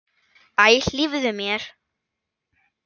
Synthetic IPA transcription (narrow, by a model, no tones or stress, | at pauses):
ajɬlivðʏmjɛɾ̥